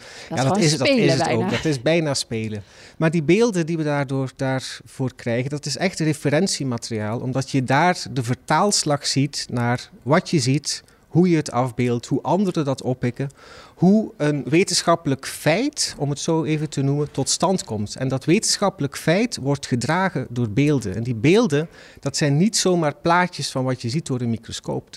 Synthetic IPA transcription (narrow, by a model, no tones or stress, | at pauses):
jaːdɪsdɪsətoːkdɑtɪsbɛjnaːspeːlə | maːrdibeːlˠdəndiʋədaːrdoːrdaːɹv̥oːrkrɛjɣəndɑtɪsɛxtrefəɾɛnsimaːtəriaːlˠʔɔ̰mdɑtjədaːrdəvərtaːlˠslɑxsitnaːrʋɑtjəzit | ɦujəɦətɑvbeːlˠtɦuʔɑndəɾədɑtɔpːɪkəhuənʋetənsxɑpələkfɛjtɔmətsoːeːvətənumətɔtstɑntkɔmtɛ̰ndɑtʋeːtənsxɑpələkfɛjtʋɔrtxədraːɣədʊːrbeːlˠdə̰nɛ̰ndibeːlˠdən | d̥ɑtsɛjnːitsowmaːrplaːcəsfɑnʋɑtjəzit̚doːrənmikrosko̰ːp